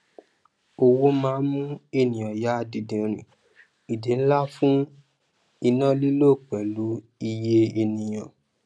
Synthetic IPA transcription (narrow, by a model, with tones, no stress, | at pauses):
o˧wo˦mãː˦mũ˦e˦˨nĩ˨ɔ̃˨ja˨˦˧di˧dĩ˨ɾ̃ĩ˨ | i˨de˨˦n̩˦la˦fũ˦ | i˧nã˦li˦lo˦˨k͡pɛ˨lu˨˦ | i˧je˦e˧nĩ˨j̃ã˨